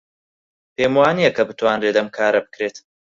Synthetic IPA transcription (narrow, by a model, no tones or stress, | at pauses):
pʰeːmwaːnijɐkʰɐbɨt̪waːnret̪ɐmkʰaːɾɐbɨ̥kɾeːt̪